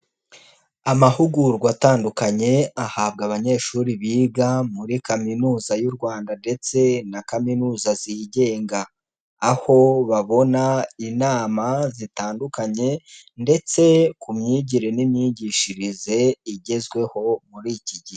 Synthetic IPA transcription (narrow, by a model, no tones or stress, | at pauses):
amahuɡuɾɡwataːndukaɲe̞ahaːb̚ɡaβaɲe̞ːʃuɾiβiːɡamuɾikaminuːzajuɾɡwaːndande̞t͡se̞nakaminuːzaziɟe̞ːŋɡaː | ho̞βaβo̞nainaːmazitaːndukaɲe̞ | nde̞t͡se̞kumɲiːɟiɾe̞nimɲiːɟiːʃiɾize̞iɟe̞zɡwe̞ho̞muɾiciɟie